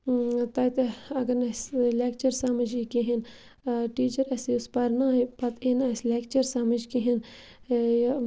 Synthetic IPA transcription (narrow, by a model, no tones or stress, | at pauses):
t̪aːit̪ɐɐɡɐɾnɐsleːkt͡ʃɐɾsaːmɐd͡ʒikiɦin | ʈiːt͡ʃɐɾɐsiʊspɐɾnaːpɐt̪eːnɐsleːkt͡ʃɐɾsaːmɐd͡ʒkiɦin